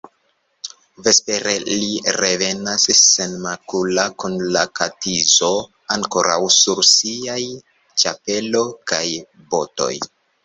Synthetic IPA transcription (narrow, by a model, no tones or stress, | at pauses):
ve̞spe̞ɾeliɾe̞ve̞nasːe̞nmakulakunlakatizo̞ | aŋko̞ɾa̰wsuɾsiaj | t͡ʃape̞lo̞kaj | bo̞̰to̞̰j